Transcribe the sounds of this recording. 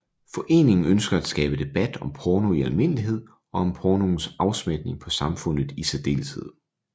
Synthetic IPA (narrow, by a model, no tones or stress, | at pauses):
fɒ̽ʔe̝̰ːne̝ŋn̩ønsɡ̥ɐæd̥sɡ̥ɛ̰ːb̥əd̥e̝b̥æd̥ɒ̽mpʰɒːno̝iælme̝n̰əliɦe̝ð̞̰ˠ | ɒ̽ɒ̽mpʰɒːno̝n̩sɑ̈ʊsmed̥ne̝ŋpʰɒ̽sɑ̈mfɔ̽n̰ð̩ˠisʰeɐd̥e̝̰ːlshe̝ð̰ˠ